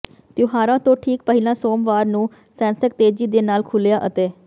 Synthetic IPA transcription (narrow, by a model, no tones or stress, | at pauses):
t̪joɦaːɾãːt̪õːʈʰiːkpəɦɪlãːsoːmʋaːɾnũː | sɛ̃ːnsək̚t̪eːd͡ʒiːd̪eːnaːlkʰʊljaːʔət̪eː